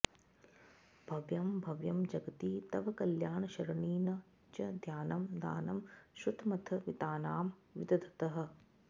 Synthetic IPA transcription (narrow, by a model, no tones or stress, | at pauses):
bʱɐʋjɐmbʱɐʋjɐmd͡ʒɐɡɐt̪iːt̪ɐʋɐkɐljaːɳɐʃɐɾɐɳiːnɐ | t͡ʃɐd̪ʱjaːnɐmd̪a̰ːnɐmʃut̪mɐt̪ʰɐʋit̪aːnaːmʋid̪ɐd̪ʱɐt̪ɐɦɐ̆